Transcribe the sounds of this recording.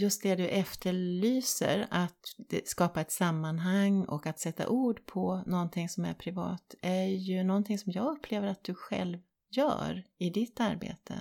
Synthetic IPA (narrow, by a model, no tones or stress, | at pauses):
jɵst̪̚d̪ɛd̪ɵʔɛft̪ʰəɭyːsə̰ɾat̪skɑːpaɛt̪samːanɦaŋːɔ̰kat̪sɛt̪ːa̰ʔuːɖpʰɔnɔnt̪ʰɪŋsɔmæ̰ɾpʰɾɪvɑ̰ːt̪ʔæɾjɵnɔnt̪ʰɪŋsɔmjɑːɡɵpʰːleːvəɾat̪̚d̪̥ɵɧɛ̰lv | jœ̰ːɾɪd̪ɪt̪ːaɾbḛːt̪ʰə̰